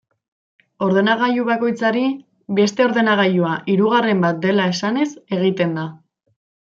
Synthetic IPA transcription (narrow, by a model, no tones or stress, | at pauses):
o̞ɾðe̞naɣ̞ajuβako̞jt͡saɾi | be̞st̪e̞o̞ɾðe̞naɣ̞ajuaʔiɾuɣ̞are̞mbat̪̚d̪e̞lae̞sane̞se̞ɣ̞it̪e̞nd̪a